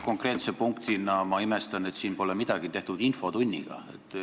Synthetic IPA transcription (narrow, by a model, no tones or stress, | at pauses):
ko̞ŋkre̞ːt̪sepuŋkt̪inɑmɑime̞st̪ɑne̞t̪siːnpo̞lemid̪̥ɑɡ̥it̪e̞ht̪ud̪̥info̞t̪unʲːḭɡ̥ɑ̰e̞̰t̪ːˑ